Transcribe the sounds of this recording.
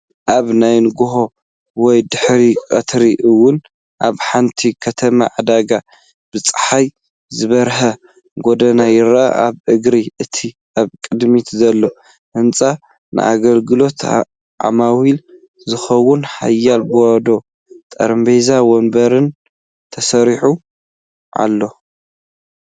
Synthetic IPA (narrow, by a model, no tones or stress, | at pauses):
ʔaβnajnɡoɦo̞ | wɔjd̪ɨħɾikʼɐt̪ʰɾiʔɨwːʊn | ʔaβħant̪ʰikʰɐt̪ʰɐma̰ʕad̪aɡa | b̥ɨt͡sʼɨ̥ħaj | zɨβɐɾɦɐ | ɡod̪ɐnajɪɾʔa̰ʔa̰βʔɨɡɾiʔɨt̪ʰi | ʔaβkʼɨd̪mit̪ʰzɐlːo | ʔɨnt͡sʼa | nʔɨ̰ʔa̰ɡɐlɡɨlo̞t̪ | ʔa̰mawil | zɨxɐwːʊnħa̰jːalbɨwad̪o̞ | t̪ʼɐ̰ɾmbezawonbɐɾɨn | t̪ʰɐsɐɾiħu | ʔa̰lːo̞